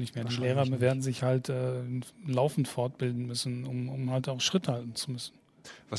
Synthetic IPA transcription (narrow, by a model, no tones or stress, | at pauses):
nɪçtmeːɐdiːleːʁ̞ɐveːɐdn̩zɪçhaltʰʔɛːlaʊfn̩tfɔɐt̚b̥ɪldn̩mʏsn̩ʊmʊmhaltaʊxʃʁ̥ɪthaltn̩t͡sumʏsn̩ | va